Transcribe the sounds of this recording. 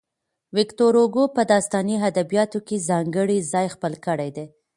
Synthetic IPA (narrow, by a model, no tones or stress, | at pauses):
wɪkt̪oɾoɡopəd̪ɑst̪ɑniɦad̪abijɑt̪okezɑŋɡəɽizɑjxpəlkəɽejd̪e